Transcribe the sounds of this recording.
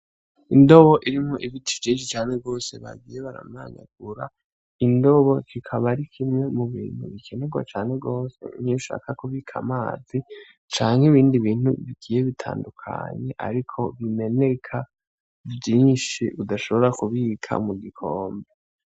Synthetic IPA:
indo̞βo̞ʔiɾimhoʔiβitʰivɟiːnʃ̬it͡ʃaːneɡo̞ːseβa̰ɡiːje̞βaɾa̰mnaːɲa̰ɡ̥̚uɾa | indo̞βo̞kʰikʰaβaɾikʰimŋe̞muβḭːn̥huβikʰe̞neɡwa̰t͡ʃaːneɡo̞ːse̞̰niuʃa̰ːkakuβikʰa̰maːzi | t͡ʃaːŋheβiːndiβiːn̥hṵβiɡ̥iːje̞βitʰa̰ːndukʰa̰ɲe̞ʔa̰ɾikʰo̞βime̞nekʰa | vjiːnʃiudaʃo̞βo̞ɾakuβikʰa̰muɡikʰoːmbe

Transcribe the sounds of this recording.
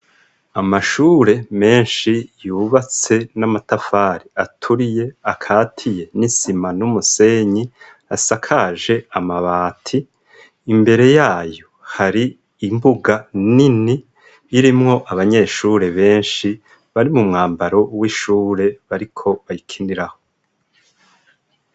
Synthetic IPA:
amaʃuːɾe̞me̞ːnʃijuːβat͡se̞namatafaːɾiatʰuɾije̞akʰaːtʰije̞nisimanumuse̞ɲi | asakʰaʒe̞amaβaːtʰiː | mbe̞ɾe̞jaːjo̞haɾiː | mbuɡaniniː | ɾimŋo̞ʔaβaɲe̞ʃuɾe̞βe̞ːnʃi | βaɾimumŋaːmbaɾo̞wiʃuːɾe̞βaɾikʰo̞βajikʰiniɾah̞o

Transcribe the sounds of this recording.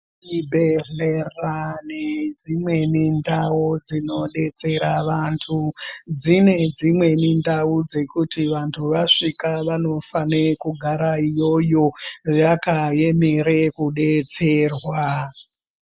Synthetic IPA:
ibʱeɮeraned͡zimwe̞nindawud͡zino̞ɗe̞t͡se̞ɾaʋantʰud͡zine̞d͡zimwe̞nindaud͡ze̞kutiʋantʰuʋaʂikaʋano̞fanekuɡʱaɾaijo̞jo̞jakajemeɾekuɗe̞t͡se̞ːrwa

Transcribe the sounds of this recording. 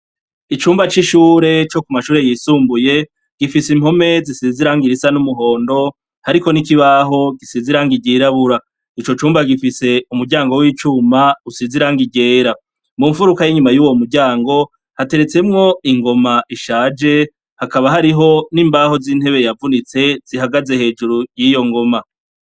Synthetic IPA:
it͡ʃuːmbat͡ʃiʃuːɾe̞t͡ʃo̞kumaʃuːɾe̞jiːsuːmbuje̞ | ɡ̥ifisim̥ho̞me̞zisiziɾaŋɡiɾisanumuɦo̞ːndo̞ | haɾiko̞nikiβaːɦo̞ɡisiziɾaŋɡiɟiɾaβuɾa | it͡ʃo̞t͡ʃuːmbaɡifise̞umuɾɟaːŋɡo̞wiːt͡ʃuːmausiziɾaŋɡiɟe̞ːɾa | muɱfuɾukajiɲumajuːwo̞muɾɟaːŋɡo̞ | hate̞ɾe̞t͡se̞mŋo̞iŋɡo̞maʔiʃaːd͡ʒe̞ | hakaβaɦaɾiɦo̞niːmbaho̞ziːn̥he̞βe̞javunit͡se̞z̥ihaɡaze̞he̞ːd͡ʒuɾujijo̞ŋɡo̞ma

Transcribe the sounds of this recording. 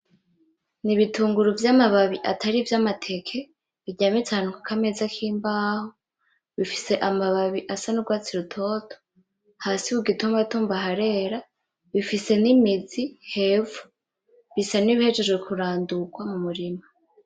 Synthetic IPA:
niβituːŋɡuɾuvjaːmaβaβiʔa̰taɾivjamatʰe̞kʰe | βiɟaːmitaːnuŋkakʰame̞zakʰiːmbaːho | βifi̥se̞ʔamaβaβiʔasanuɡwaːt͡siɾutʰo̞tʰo̥ | haːsiwuɡituːmbatuːmbaɦaɾe̞ɾa | βifise̞nimizihe̞vu | βisaniβihe̞d͡ʒe̞d͡ʒwekʰuɾaːndukwamumuɾima

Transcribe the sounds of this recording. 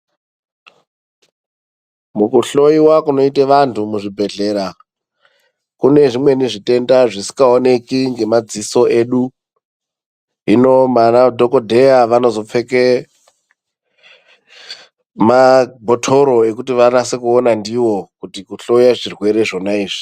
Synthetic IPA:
mukuɬo̞iwakuno̞iteʋantʰumuʐibʱe̞ɮe̞ɾa | kune̞ʐimwe̞niʐite̞ndaʐisi̥kaone̞kiŋɡe̞mad͡ziso̞e̞ɗu | ɦino̞manadʱo̞ko̞dʱe̞jaʋano̞zo̞p͡fe̞ke | mabʱotʰo̞ɾo̞e̞kutiʋanasekuonandiwo̞kutikuɬo̞iaʐirwe̞ɾe̞ʐo̞naiːʐi̥

